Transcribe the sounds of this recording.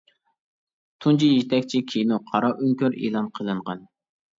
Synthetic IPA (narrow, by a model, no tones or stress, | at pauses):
t̪ʰunt͡ʃijit̪ʰɛkʲt͡ʃʰikʲʰijnuqʰɑɾɑʔyŋkʲøɾḛːlˠɑnqʰəlˠɨɴʁɑn